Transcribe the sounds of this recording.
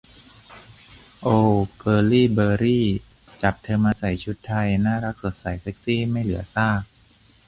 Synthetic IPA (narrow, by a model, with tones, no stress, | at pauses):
ʔoː˧kɤː˧liː˥˩bɤː˧ɾiː˥˩ | t͡ɕa˨˩p̚t̪ʰɤː˧mʔaː˧sa˨˩jt͡ɕʰu˦˥t̪ʰːa˧jnaː˥˩ɾa˦˥k̚so˨˩t̪̚sa˨˩˦jse˦˥k̚siː˥˩ma˥˩jlɯ˩˦ɐsaː˥˩k̚